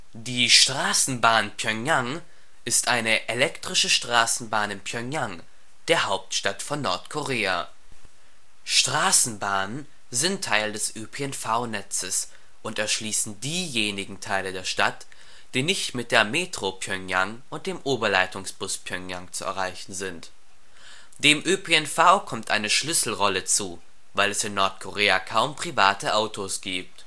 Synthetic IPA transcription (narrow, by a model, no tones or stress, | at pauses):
d̥iːʃtʁ̥aːsn̩baːnpʰjœŋjaŋ | ʔɪstʔaɪnəʔelɛktʁ̥ɪʃəʃtʁ̥aːsn̩baːnɪmpʰjœŋjaŋ | d̥eːɐhaʊp̚tʃtatfɔnːɔɐtkʰoʁeːa | ʃtʁ̥aːsn̩baːnən | zɪntʰːaɪldɛsʔøːpʰeɛnfaʊnɛt͡səs | ʔʊntɛɐʃliːsn̩diːjeːnɪɡŋ̩tʰaɪlədeːɐʃtat | d̥iːnɪçtmɪt̚d̥eːɐmeːtʁ̥opʰjœŋjaŋ | ʔʊnt̚d̥eːmʔoːbɐlaɪtʰʊŋsb̥ʊspʰjœŋjaŋt͡suɛ̰ɐʁaɪçn̩zɪnt | d̥eːmʔøpʰeɛnfaʊkʰɔmtʔaɪnəʃlʏsl̩ʁɔlət͡suː | vaɪlɛsɪnːɔɐtkʰoʁeːakʰaʊmpʁ̥ivaːtəʔaʊtʰosɡ̥iːp̚t